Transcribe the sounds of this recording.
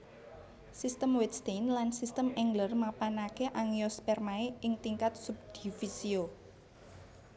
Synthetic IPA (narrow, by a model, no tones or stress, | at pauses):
sist̪əmwɛt̪st̪enlansist̪əmɛŋɡlərmapanakeʔaŋijɔspɛrmaeʔɪŋt̪iŋkat̪̚sup̚d̪̥ifisio